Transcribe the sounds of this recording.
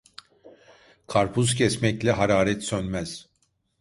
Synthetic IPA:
kʰaɾpʰuscʰɛsmɛclʲɛɦaɾaːɾɛt̪sønmɛz̥

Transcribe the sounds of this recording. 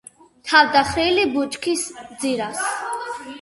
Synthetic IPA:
t̪ʰavd̪aχɾilibut͡ʃʼkʰisd̪ziɾas

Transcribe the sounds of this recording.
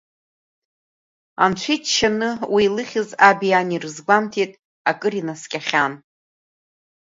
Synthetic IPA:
a̰nt͡ɕʷʰitʰʃanɨwiːlɨχʲɪzabijanirɨzɡʷamtʰetʼ | akʼɨrinaskʲʼaχʲan

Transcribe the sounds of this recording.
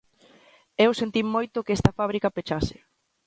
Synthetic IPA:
ewsent̪immːojt̪ʊkeɛst̪ɐfaβ̞ɾikɐpet͡ʃasɪ̥

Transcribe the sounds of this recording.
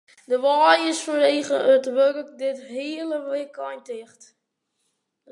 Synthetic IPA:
dəʋaːjɪsfɔnʋeːχəətʋørk̚dɪthiələʋɪkʰajntɪχt

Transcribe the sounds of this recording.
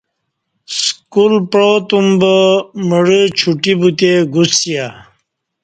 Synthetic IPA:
skulpɾot̪umbəməɽət͡ɕʰuʈibut̪eɡusija

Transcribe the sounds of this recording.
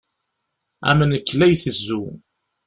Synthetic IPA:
æ̰mənəkːlæjθəzːu

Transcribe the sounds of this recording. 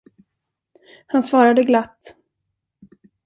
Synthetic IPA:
hansvɑːɾad̪əɡlat̪ː

